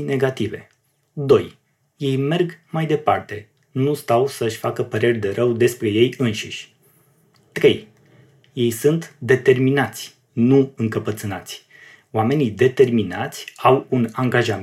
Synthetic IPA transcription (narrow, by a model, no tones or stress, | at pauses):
ne̞ɡat̪ive̞̰ | d̪o̞j | je̞jme̞rɡmajd̪e̞pa̰rt̪e̞ | nust̪awsəɨʃʲfakəpəɾe̞rʲd̪e̞ɾəwd̪e̞spɾe̞je̞jɨnʃiʃʲ | t̪ɾe̞j | je̞jsunt̪d̪e̞t̪e̞rminat̪sʲ | nuɨŋkəpət̪sɨnat̪sʲ | oame̞nid̪e̞t̪e̞rminat̪sʲawunaŋɡaʒam